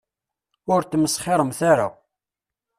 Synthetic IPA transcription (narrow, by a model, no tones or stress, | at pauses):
ʊɾt̪ːməsχeɾˤəmθaɾa̰